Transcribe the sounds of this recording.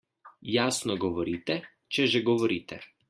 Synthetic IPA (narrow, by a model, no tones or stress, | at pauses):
jaːsnɔɡɔʋɔɾiːt̪ɛ | t͡ʃɛʒɛɡɔʋɔɾiːt̪ɛ̰